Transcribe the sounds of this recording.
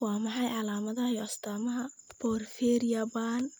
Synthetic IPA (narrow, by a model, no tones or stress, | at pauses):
wɑːmɑħɑjʕɑlaːmɐðɐjɔʔɐst̪ʰaːmɐɦɐbɔːrfɛːɾjabaːn